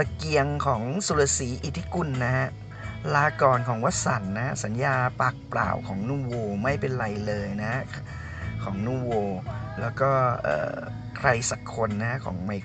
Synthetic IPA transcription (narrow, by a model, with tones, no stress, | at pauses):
a˧ki˧əŋkʰɔː˩˦ŋsu˨˧˩la˧˩siː˩˦ʔi˨˩t̪ʰːi˦˥ku˨˩nːa˦˥a˥ʔ | laː˧kɔː˨˩nkʰɔː˩˦ŋwa˦˥t̪̚sa˨˩˦nːa˦˥sa˩˦njaː˧paː˨˩k̚pla̰ː˨˩wkʰɔː˩˦ŋnuː˥˩woː˧ma˥˩jpe˧nɾa˧jlɤː˧jna˦˥ | kʰɔː˩˦ŋnuː˥˩woː˧lɛː˦˥wkɔː˥˩ʔɤ̰ː˨˩ | kʰɾa˧jsa˨˩kʰːo˧nːa˦˥kʰɔː˩˦ŋma˧j